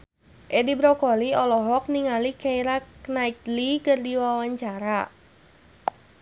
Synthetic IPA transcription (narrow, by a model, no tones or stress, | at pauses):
ʔɛdibɾɔkɔliɔlɔɦɔk̚niŋalikaiɾaknait̪likɨrdiwawaɲt͡ʃaɾa